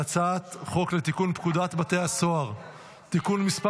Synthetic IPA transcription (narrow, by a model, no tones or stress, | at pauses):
at͡sat̪χo̞klet̪ikunpkud̪at̪bat̪e̞aso̞aʁ | t̪ikunmispa